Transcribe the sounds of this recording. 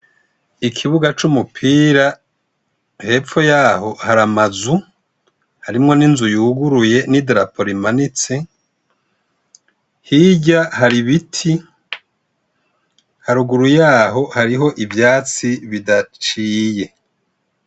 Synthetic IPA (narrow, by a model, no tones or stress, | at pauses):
ikʰiβuɡat͡ʃumupʰiːɾa | he̞ːp͡ffo̞jaːɦo̞haɾamazu | haɾimŋo̞ninzujuɡuɾuje̞nidɾapo̞ɾimanit͡se̞ | hiːɟahaɾiβitʰi | haɾuɡuɾujaːɦo̞haɾiɦo̞ʔivjaːt͡siβidat͡ʃiːje̞